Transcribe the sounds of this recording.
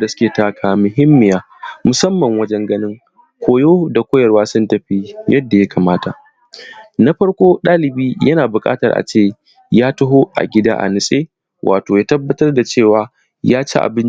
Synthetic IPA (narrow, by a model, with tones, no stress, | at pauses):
da˨sʊ̥˦kʲeː˨taː˦kʰaː˨mʊ˨ɦɪ˦mːɪ˨jaː˦ | mʊ˨sɐ˦mːɐ˨ŋwɐ˦d͡ʒɛ˦ŋɡɐ˦nɪ˦ŋ | kʷoː˦joː˦da˨kʷoː˦jɐ˨rwaː˦sʊ˦ntɐ˨ɸi˦jɐ˦dːa˨ja˦kʰaː˨maː˦ta˨ʔ | na˦ɸɐ˦ɽkʷoː˦ɗaː˦lɪ˨biː˦jɐ˦naː˨bʊ˨kʼa̰ː˦tɐ̰˨rʔa̰˨t͡ʃeː˦˨ | jaː˦tʊ˦ɦo˦ʔa̰˨ɡʲɪ˦da̰ː˦ʔa̰˨nɪ˨sʼeː˦ | wʔaː˨toː˨jaː˦tɐ˦bːɐ˦tɐ˦rda˨t͡ʃeː˦˨waː˨ | jaː˦t͡ʃḛ˦ʔa̰˨bɪ˦nt͡ʃ